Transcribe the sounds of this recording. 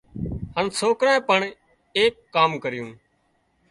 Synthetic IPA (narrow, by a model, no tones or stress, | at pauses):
hənsoːkɾãːpəɳ | eːkːaːmkəɾɪjũː